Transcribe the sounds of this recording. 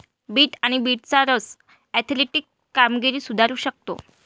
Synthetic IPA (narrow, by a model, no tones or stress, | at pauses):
biːʈaɽ̃ibiːʈ̚t͡saɾəs | ɛt̪ʰleʈiːkːamɡiɾiːsud̪ʱaɾuːɕək̚t̪o̰